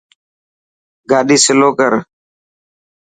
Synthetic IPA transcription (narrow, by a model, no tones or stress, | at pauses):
ɡaːɗiːsɪloːkəɾ